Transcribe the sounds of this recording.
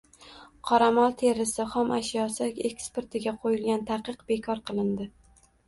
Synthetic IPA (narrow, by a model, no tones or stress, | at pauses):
qʰɒɾamɒlˠt̪ʰe̞ɾɪsɪχɒmʔaʃjɒsakʲe̞kspeɾt̪ʰɪɡʲaqʰojɪlɡʲant̪ʰaqɨqbe̞kʰɒɾqʰɨlˠɪnd̪ɪ